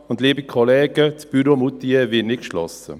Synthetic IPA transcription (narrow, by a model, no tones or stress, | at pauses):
ʊndliːbikʰɔlɛːɡət͡sb̥yɾomut̪ːievɪnɪtkʃlɔsə̰